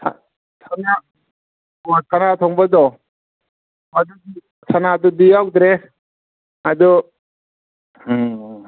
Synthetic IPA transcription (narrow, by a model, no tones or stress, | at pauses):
sʰa | sʰana | ɔtʰanat̪ʰɔŋbad̪ɔ | mad̪udi | sʰanad̪ɔdijawdɾe | ad̪u